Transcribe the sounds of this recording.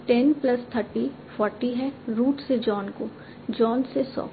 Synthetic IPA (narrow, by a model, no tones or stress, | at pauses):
ʈɛnplɐst̪ʰəɾʈi | fʰɔːɾʈiɦɛɾuːʈsed͡ʒɔːnko | d͡ʒɔːnsesɔ̰ː